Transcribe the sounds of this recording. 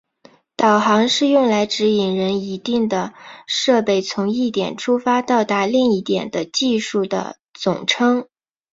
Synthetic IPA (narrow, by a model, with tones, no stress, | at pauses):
t̪ɑ˨˩ʊxɑ˧˥ŋʂɻ̩˥˧jʊ˥˩ŋla˧˥ɪʈ͡ʂɻ̩˧˥i˨˩ŋɻə˧˥ni˧˥t̪i˥˩ŋd̪ə˩ʂɤ˥˧pe˥˩ɪt͡sʰʊ˧˥ŋi˥˩t̪jɛ˨˩nʈ͡ʂʰu˥fa˥t̪ɑ˥˩ʊt̪a˧˥li˥˧ŋi˥˩t̪jɛ˨˩nd̪ə˦t͡ɕi˥˧ʂu˥˩d̪ə̰˩ | t͡sʊ̰˨˩ŋʈ͡ʂʰɤ˥ŋ